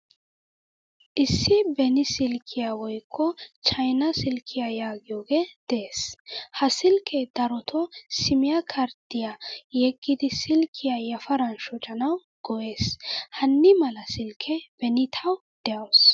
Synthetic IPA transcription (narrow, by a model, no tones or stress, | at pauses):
ʔɪsːɪbɛnɪsɪlkʰːɪjawɔjkʰːɔt͡ʃɐjnɐsɪlkʰːɪjajaːɡɪjoːɡeːd̪̥ɛeːshɐsɪlkʰɛd̪̥ɐɾɔt̪ʰɔsɪmɪjakʰɐɾd̪ɪjajɛɡʼːɪd̪ɪsɪlkʰːɪjajɐfɐɾɐnʃɔt͡ʃʼɐnɐw | ɡ̥ɔʔe̞ːshɐnːɪmɐlɐsɪlkʰɛbɛnɪt̪ʰɐw | d̪̥ɛjɐws